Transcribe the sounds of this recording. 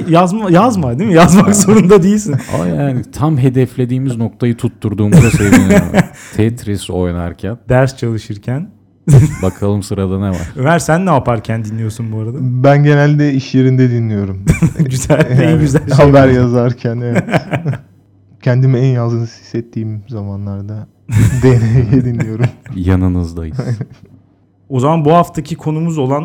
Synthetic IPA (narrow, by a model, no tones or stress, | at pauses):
jazmajazmad̪imijazmakzo̞ɾund̪ad̪ejilʲsina̰jaːnit̪ʰamɦe̞d̪ɛflʲe̞d̪iːmizno̞k̚t̪ʰajɯt̪ʰut̪ʰːuɾd̪uːmuzasevinit̪ʰet̪ʰɾiso̞jna̰ɾcʰænd̪̥æɾst͡ʃʰalˠɯʃɯɾcʰæn | bakʰalˠɯmsɯɾad̪aneva̰ɾɾ̥ømæɾsænːɛapʰaɾcʰænd̪inlʲijo̞sunbuaɾad̪abænɟe̞nælʲd̪ɛiʃjeɾind̪ɛd̪inlʲijo̞ɾumɟyzælʲɛnɟyzælʲʃhabæɾjazaɾcʰænɛvɛ | cʰɛnd̪imɛɛnjazˠd̪ɯnɯz̥hi̥sːɛt̪ʰːiːmzamanlˠaɾd̪a | d̪enejɛd̪inlʲijo̞ɾumjanɯnɯzd̪aji | o̞zamanbuɦaft̪ʰacʰikʰo̞numuzo̞lˠan